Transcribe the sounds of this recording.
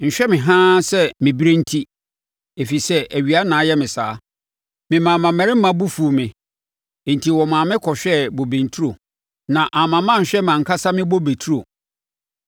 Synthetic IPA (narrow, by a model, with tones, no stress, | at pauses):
ɲ̩˨ɕᶣɛ˦mɪ̃˨ɦã˦sɛ˦mɪ̃˨bi˦ɾe˦n̩˦tʰi˦ | e˨fi˨sɛ˦æ˨ɥi˨a˦nãː˨˦jɛ˦mɪ̃˨saː˨˦ | mɪ̃˨mã˨mã˨mɛ̃˨ɾɪ˦m̩˦mã˦bu˦fu˨mɪ̃˨ | n̩˨tʰi˨wɔ˨mã˨mɪ̃˦kʰɔ˨ɕᶣɛ˦bo˨bẽ˨n˨tʰu˦ɾo˨ | nã˨ʔa˨mã˨mã˦˨ɕᶣɛ˦mã˨ŋ̩˨kʰa˦sa˦mɪ̃˦bo˦be˨tʰu˦ɾo˨